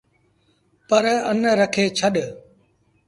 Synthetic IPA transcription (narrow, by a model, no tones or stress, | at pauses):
pəɾənɾəkʰeːt͡ʃʰəɗ